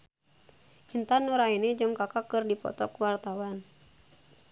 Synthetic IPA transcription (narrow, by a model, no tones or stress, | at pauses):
hint̪anuɾainɛd͡ʒɨŋkakakɨrdipɔ̰t̪ɔkwart̪awan